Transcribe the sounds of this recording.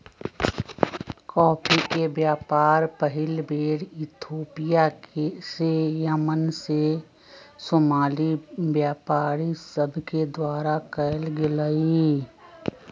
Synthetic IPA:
kɔːpʰikebjaːpaːɾpəɦɪlbeːɽɪt̪ʰoːpijaksejəmənse | soːmaːlibjaːpaːɾisəbʱked̪waːɾakəjlɡɪləi

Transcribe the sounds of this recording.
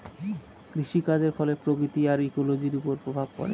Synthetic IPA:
kɾiʃikad͡ʑeɾfɔlepɾokɾit̪iaɾikolod͡ʑiɾupoɾpɾobʱab̚kɔ̰ɾḛ

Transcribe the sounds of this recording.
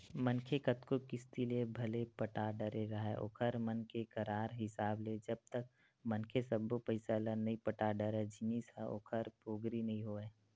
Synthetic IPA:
mənkʰekət̪kokɪst̪iliebʱɐlepəʈaɖəɾeɾɐɦɛʔo̰ːkʰəɾmənkekəɾaːɾɦɪsaːbled͡ʒəb̚t̪ək̚ | mənkʰesəbːopəɪsalənɐɦĩpəʈaɖəɾɛd͡ʒɪnisao̰ːkʰəɾpoːɡɾinɐɦĩɦoːɛː

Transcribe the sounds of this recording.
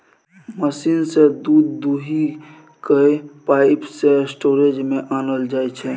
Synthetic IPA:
məsinsed̪ud̪ːuɦi | kəepaɪpsesʈoɾed͡ʒmeʔanəld͡ʒajt͡ʃʰɛ

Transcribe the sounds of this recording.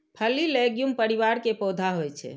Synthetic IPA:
pʰəlːileɡjumpəɾiʋaɾkepɔd̪ʱaɦojt͡ʃʰɛ̰

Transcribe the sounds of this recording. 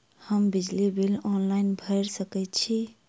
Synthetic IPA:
həmbid͡ʒlibilɔnlaɪnbʱəɪɾsəkɛt̪t͡ʃʰi

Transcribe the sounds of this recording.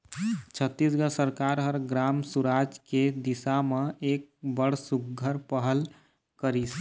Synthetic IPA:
t͡ʃʰət̪ːis̬ɡəsəɾkaɾɦəɾɡɾamsuɾad͡ʒked̪isameek̚bəɽ̤suɡɡʱəɾpəɦəl | kəɾis

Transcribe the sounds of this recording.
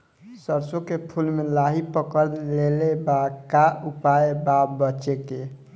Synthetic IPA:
səɾsokepʰulmelaɦipəkəɾlelebakaupaebabət͡ʃeke

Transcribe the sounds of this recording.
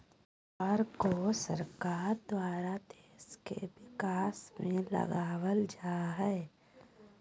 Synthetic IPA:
ɔɾkosəɾkaːɾd̪waːɾad̪eːskḛbɪkaːsmẽlə̰ɡaːwəld͡ʒaːɦɛː

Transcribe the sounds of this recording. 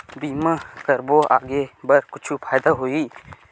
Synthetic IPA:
bimakəɾbɔa̰ʔɡɛbəɾkut͡ʃʰupʰajd̪aɦui

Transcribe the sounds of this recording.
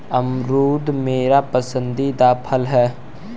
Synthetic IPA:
əmɾuːd̪meːɾapəsə̃nd̪id̪aːpʰəlɦɛː

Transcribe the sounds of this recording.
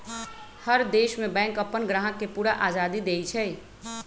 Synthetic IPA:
həɾd̪eːʃmẽbɛ̃ːŋkəpːənɡɾaːɦəkːepuːɾaʔaːd͡ʒaːd̪id̪eːit͡ʃʰɛ

